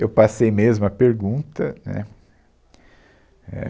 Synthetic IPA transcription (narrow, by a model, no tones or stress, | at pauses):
ewpasejmezmʊɐpeɾɡũt̪ɐnɛ̰ | ɛ̰